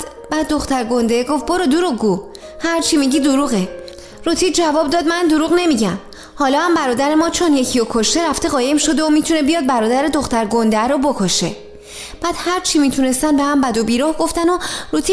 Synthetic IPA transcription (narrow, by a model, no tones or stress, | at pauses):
b̥æːd̪ːo̞xt̪æɾɡo̞nd̪eɡo̞fboɾod̪uɾuɣɡu | hæɾt͡ʃʰimiɟiːd̪oɾuːɣe | ɾuːt̪ʰiːd̪̚d͡ʒævɒːb̚d̪ɒːd̪mænd̪oɾuːɣne̞miɟæm | hɒːlɒːhæmbæɾɒːd̪æɾe̞mɒːt͡ʃʰonje̞cʰiokʰo̞ʃt̪e̞ɾæft̪e̞ɣɒːje̞mʃo̞d̪e̞omiːt̪ʰune̞bijɒːd̪̚bæɾɒːd̪æɾe̞d̪o̞xt̪æɾɡond̪eæɾobo̞kʰo̞ʃe̞ | b̥æːd̪̥hæɾt͡ʃʰimiːt̪ʰune̞st̪ænbe̞hæmbæd̪obiːɾɒhɡo̞ft̪ænoɾut̪ʰi